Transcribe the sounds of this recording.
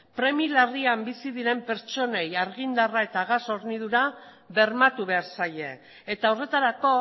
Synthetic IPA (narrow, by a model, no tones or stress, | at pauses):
pɾe̞milariambisiðiɾe̞mpe̞ɾt͡ʃo̞ne̞jaɾɣind̪arae̞t̪aːɣ̞aso̞ɾniðuɾa | βe̞ɾmat̪uβe̞aɾsaje̞ː | t̪aore̞t̪aɾako̞